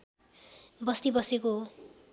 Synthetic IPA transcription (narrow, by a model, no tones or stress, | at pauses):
bʌst̪ibʌseko